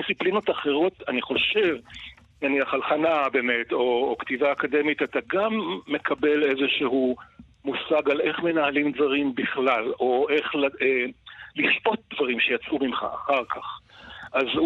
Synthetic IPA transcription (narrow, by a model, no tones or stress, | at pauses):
siplino̞t̪aχe̞ʁo̞taniχo̞ʃe̞v | naniaχalχanabe̞me̞to̞ːktivaːkade̞mitataɡamːe̞kʰabe̞le̞zeʃeɦu | musaɡale̞χme̞nahalimd̪zvaʁimbiχlalo̞ʔeχlaeliʃpo̞t̪̚d̪vaʁimʃejat͡sumimχa̰ʔa̰χaʁkʰaχʔaz